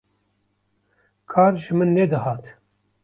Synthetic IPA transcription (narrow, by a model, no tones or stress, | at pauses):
kʰɑːɾʒɨmɨnːɛd̪ɨhɑːt̪